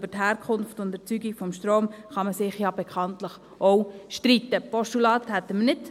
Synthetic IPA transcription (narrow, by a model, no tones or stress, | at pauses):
b̥əthæːɾkʰχʊnftʊndɛɾt͡syɡikfɔmʃtɾoːmχɑməsɪχjɑb̥ekʰɑntləχ | ʔowʃtɾit̪ːəpɔʃtulɑːthɛt̪ːəmənɪt